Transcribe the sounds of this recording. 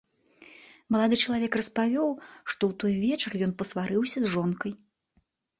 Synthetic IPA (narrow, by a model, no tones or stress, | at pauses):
mɐlˠad̪ɨt͡ʂɐlˠavʲɛkrɐspavʲɔwʂt̪ɔwt̪ɔjvʲɛt͡ʂɐrjɔnpɐsvaɾɨwsʲɐzʐɔnkɐj